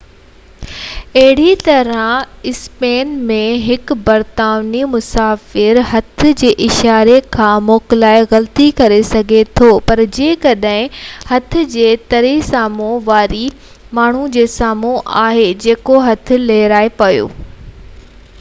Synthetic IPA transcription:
ɐɦɪɽit̪ɐɾə̃ɪspeːnmẽɦɪkbɐɾt̪aːʋnimʊsaːfɪɾɦɐt̪ʰʊ̆d͡ʑeːʔɪʃaːɾekʰãːmoːkɪlaːeɣɐlət̪ikɐɾesɐɡʱet̪ʰoːpɐɾd͡ʑẽːkɐɗɦɪ̃hɐt̪ʰʊ̆d͡ʑeːt̪ɐɾisaːmõʋaːɾi | maːɳ̤ud͡ʑeːsaːmoʔaːɦed͡ʑeːkoɦɐt̪ʰʊ̆leːɾaːepɐjo̰ː

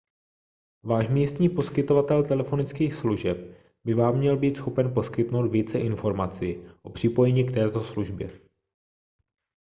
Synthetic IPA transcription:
vaːʃmiːst̪ɲiːpo̞skɪt̪o̞vat̪ɛlt̪ɛlɛfo̞nɪt͡skiːxsluʒɛp̚ | bɪvaːmːɲɛlbiːt̪sxo̞pɛnpo̞skɪt̪no̞wt̪viːt͡sɛʔɪnfo̞ɾmat͡siʔo̞pr̝̥ɪpo̞jɛɲiːkt̪ɛːt̪o̞sluʒbjɛ

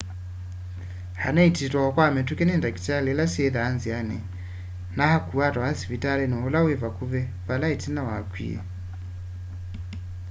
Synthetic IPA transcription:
ha̰naititwaakwamɛtukɛnɛndaki̥talɛlasiɛðaːnzianɛ̰ | nahakuatahasivitalɛnuɔlawɛvakuβɛ | valaitinawakwḭɛ̰

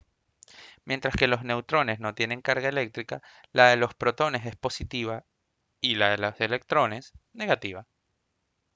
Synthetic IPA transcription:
mje̞nt̪ɾaske̞lo̞zne̞wt̪ɾo̞ne̞sno̞t̪je̞nẽ̞ŋkaɾɣae̞le̞k̚t̪ɾika | lʔaðe̞lo̞spɾo̞t̪o̞ne̞se̞spo̞sit̪iβa | ilaðe̞lose̞le̞k̚t̪ɾo̞ne̞sne̞ɣat̪iβa

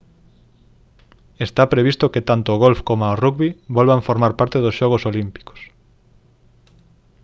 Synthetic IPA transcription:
est̪apɾeβ̞ist̪oket̪ant̪oːɣolfkomaorukβibolβaɱfoɾmaɾpaɾt̪eðosʃɔɣ̞osolimpi̥ko̥s

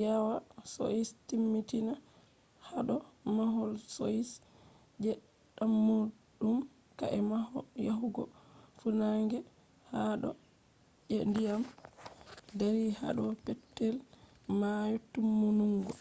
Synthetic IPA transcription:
jawaso̰istimːitina | haɗɔmaɦɔlsois | d͡ʒɛɗ | amːuɗum | ka̰ʔɛmahɔjaɦuɡɔfunaŋɡɛ | haɗɔ̰ | ʔɛndijam | deɾiha̰ɗɔpɛtːɛl | majutːumːunuŋɡɔ

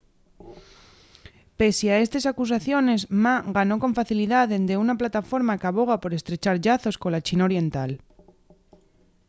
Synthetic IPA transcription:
pe̞sjae̞st̪e̞sakus̬aθjo̞ne̞smaɣano̞ko̞ɱfaθiliðaðend̪e̞unaplat̪afo̞ɾmakaβo̞ɣ̞apo̞ɾe̞st̪ɾe̞t͡ʃaɾʎaθo̞sko̞lat͡ʃinao̞ɾje̞nt̪al

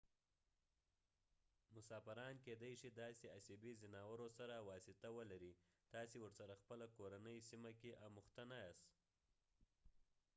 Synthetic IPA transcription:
mʊsɑfɪɾɑnked̪ajʃid̪ɑseasibizɪnɑwəɾosaɾawɑsɪt̪awəlaɾit̪ɑsewəɾsaɾaxpəlakoɾanəjsimakeʔamʊxt̪anajɑs

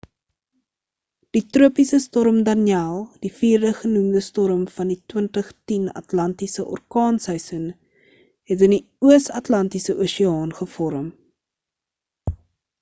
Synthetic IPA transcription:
d̥itruəpisəstɔɾəmdɐniɛlˠd̥ifiːrdəχənumdəstɔɾəmfɐnditwəntəχtinɐ̰tlɐntisəʔɔ̰rkɑːnsœɥsən | ɦɛt̬əndi | uəsɐtlɐntisəʔuːsiɑːnχəfɔɾəm

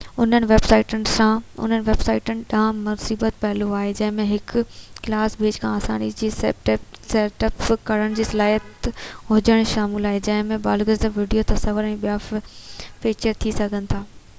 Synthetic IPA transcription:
ʊn̤ənɪ̆ʋeːbsaːɪʈənɪ̆sãʊ̰n̤ənɪ̆ʋeːbsaːɪʈənɪ̆ɗãːmʊsiːbət̪pɐɦɪloaːɦed͡ʑɐ̃ɦɪ̃mẽɦɪkklaːsbʱeːd͡ʑkʰãːsa̰ːnid͡ʑiː | seːʈəpkɐɾəɽ̃d͡ʑiːsɐlaːjət̪ɦʊd͡ʑəɽ̃ʃaːmɪlaːɦed͡ʑɐ̃ɦɪ̃mẽbaːlɡəzd̪əʋiːɖijot̪ɐsɐʋəɾɛ̃ːɓijaffiːt͡ɕəɾt̪ʰisɐɡʱənɪ̆t̪ʰaː

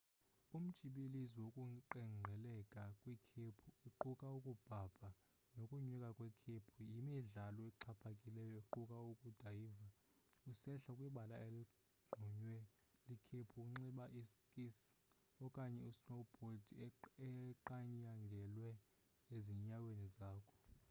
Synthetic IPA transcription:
um̩d̥ʒ̥ʼʱiɓiliziwokʼuǃɛŋ͡ǃʱɛlɛkʼakʼwikʰepʰuiǃukʼaukʼub̥ʱab̥ʱa | nokʼuɲwikʼakʼwɛkʰepʰujimiɮalɔeǃʰapʰakʼilɛjɔiǃukʼaukʼud̥ʱaiva | usɛɬakʼwiɓalaeli | ɡ͡ǃʱuɲwɛ | likʰepʰukʼuŋ͡ǁiɓaʔiskʼis | ɔkʼaɲɛusnobʱodɛǃaɲaŋɡʱɛlwɛ | eziɲawenizaːkʰɔ̥

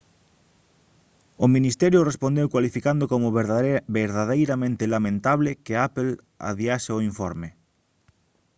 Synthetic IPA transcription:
ʊminist̪ɛɾjʊrespond̪ewkwalifikand̪okomʊbeɾðaðejɾamẽnt̪ɪlamẽnt̪aβlɪkɪapel | a̰βiaʃeoiɱfɔɾmɪ

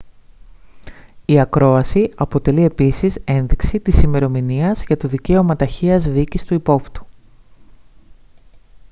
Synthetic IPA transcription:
iɐkɾo̞ɐsiɐpo̞t̪e̞lie̞pisise̞nðiksit̪isime̞ɾo̞miniɐzʝɐt̪o̞ðice̞o̞mɐt̪ɐçiɐzðicist̪uipo̞pt̪u̥

